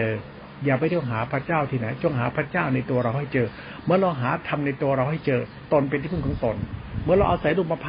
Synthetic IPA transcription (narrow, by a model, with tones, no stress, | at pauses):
ɤː˧ | jaː˨˩pa˧jt̪ʰu˥˩əŋɦaː˩˦pʰɾa˦˧˥t͡ɕaː˥˩wt̪ʰiː˧˩na˩˦jt͡ɕu˥˩əŋɦaː˩˦pʰɾa˦˧˥t͡ɕaː˥˩wna˧jt̪u˧ɐɾa˧wɦa˥˩jt͡ɕɤː˧ | mɯ˧˥˩ɐɾa˧wɦaː˩˦t̪ʰa˧mna˧jt̪u˧ɐɾa˧wɦa˥˩jt͡ɕɤː˧ | t̪o˧npe˧nt̪ʰiː˥˩pʰːkʰːŋt̪o˧nmɯ˧˥ɐɾa˧wʔa̰˧wsa˨˦jduː˧˩pa˧pʰː